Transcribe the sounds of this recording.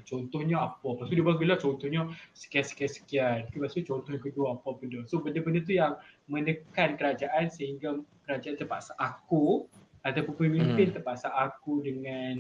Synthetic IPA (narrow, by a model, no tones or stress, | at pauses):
t͡ʃɔnt̪ɔhɲaapɔpast̪udibaak̚ilat͡ʃɔnt̪ɔhɲasə̥kiansə̥kiansə̥kiankipasut͡ʃɔnt̪ɔhɲakəduaapɔpəndəsobəndəbəndət̪̬ujaŋ | mə̃nəkankəɾad͡ʒaʔansəɦiŋɡakəɾad͡ʒaant̪ərpa̰ʔsaʔaku | at̪awpunpəmimpɪnt̪ərpaʔsaʔːkudəŋan